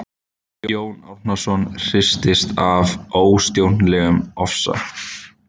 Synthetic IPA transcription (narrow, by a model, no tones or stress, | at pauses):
joːwna̰wfnasɔnr̥ɪst̪ɪst̪avoːwst̪jownlɛːɣʏmɔfsa̰